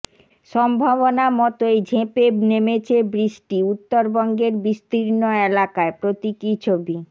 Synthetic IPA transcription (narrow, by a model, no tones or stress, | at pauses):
ʃɔmbʱaβonamɔt̪oejd͡ʑʱẽpenemet͡ɕʰebɾisʈiut̪ːoɾbɔŋɡeɾbist̪iɾnoelakaepɾot̪ikit͡ɕʰobi